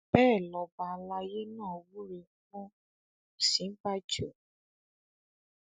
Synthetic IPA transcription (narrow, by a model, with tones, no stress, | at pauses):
b̥ɛː˦˨lɔ˨ba˧˨˧la˧je˦nãː˦˨wu˦ɾe˧˦kũ˦ | sĩ˨˦ba˦d͡ʒo˨